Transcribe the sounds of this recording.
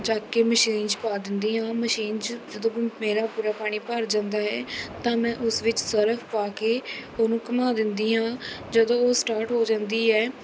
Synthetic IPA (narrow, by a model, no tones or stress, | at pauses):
d͡ʒaːkeːməʃiːnt͡ʃpaːd̪ɪnd̪iːɦãːməʃiːnt͡ʃd͡ʒəd̪õːmeːɾaːpuːɾaːpaːɽ̃iːpəɾd͡ʒãːnd̪aːɦɛːt̪ãːmɛ̃ːʔʊsʋɪt͡ʃsəɾəfʰpaːkeːoːnũːkəmaːd̪ɪnd̪iːɦãːd͡ʒəd̪õːoːsʈaːɾʈɦoːd͡ʒãːnd̪iːɛː